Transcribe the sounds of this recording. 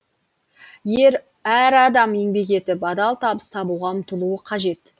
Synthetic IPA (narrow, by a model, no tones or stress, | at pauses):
je̞ɾ | æɾɑd̪ɑme̞ŋbe̞ke̞t̪ɪpɑd̪ɑlˠt̪ʰɑbəst̪ʰɑbuʁɑmʊt̪əlˠuəqʰɑʒe̞t̪